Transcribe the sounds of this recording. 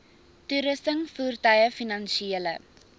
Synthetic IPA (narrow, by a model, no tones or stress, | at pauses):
tuɾəsəŋfuːrtœjəfinɐnʃielə̰